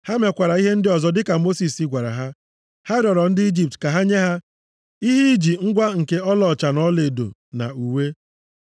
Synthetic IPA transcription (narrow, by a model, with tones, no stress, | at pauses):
ha˦me˨kʷa˨ɾa˨i˦ɦe˦n̩˦dɪ˦ɔ˨zɔ˨dɪ˦ka˨mo˦si˨si˦ɡʷa˨ɾa̰˨ɦa˦ | ha˦dɔ˨ɾɔ˨n̩˦dɪ˦i˦d͡ʒi˨p̚tka˨ɦa˦ɲe˦ɦa˦ | i˦ɦi˦d͡ʒi˨ŋ̩˦ɡʷa˦ŋ̩˨ke˦ɔ˦lɔ˨t͡ʃa˨nɔ˦le˨do̰˨ | na̰˨u˨we˦